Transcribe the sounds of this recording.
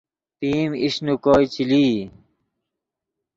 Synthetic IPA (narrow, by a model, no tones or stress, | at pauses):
piːmiɕnukoːjt͡ɕiliː